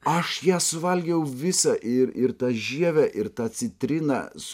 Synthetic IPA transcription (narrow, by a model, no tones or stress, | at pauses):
ɐʃjæːsʊʋɐlʲɡʲɛjɛʊʋʲɪsɑʔɪɾɪɾt̪ɑːʒʲiɛʋʲæʔɪɾt̪ɑːt̪sʲɪt̪ʲɾʲɪnɐ̰s